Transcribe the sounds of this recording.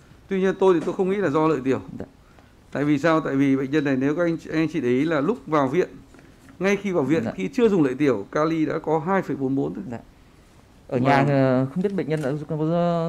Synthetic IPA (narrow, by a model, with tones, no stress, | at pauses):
t̪wi˧ɲi˧ənt̪o˧jt̪i˨˩t̪o˧jxə˧wŋ͡mŋḭ˧˥laː˨˩zɔ˧lə̰ː˧˨jt̪i˧˩əw | t̪a̰ː˧˨jvi˨˩saː˧wt̪a̰ː˧˨jvi˨˩ɓə̰˧˨ŋ̟ɲə˧nːa˨˩jne˨˦wkːʔa˧jŋ̟ʔa˧jŋ̟t͡ɕi˧˩ɗi˨˦laː˨˩lʊ˦˥k͡p̚vaː˨˩wvḭ˧˨ən | ŋa˧jxi˧vaː˨˩wvḭ˧˨əxi˧t͡ɕɨ˧əzʊ˨˩ŋ͡mlə̰ː˧˨jt̪i˧˩əwkaː˧li˧ɗa̰ː˧˥kɔ˨˦ɦaː˧jfə˧˩jɓo˨˦nɓo˨˦nt̪ʰɨ˨˦ | ʔəː˧˩ɲaː˨˩˨xə˧wŋ͡mɓi˦˥ət̚ɓ̰ŋɲə˧na̰ː˧˥˨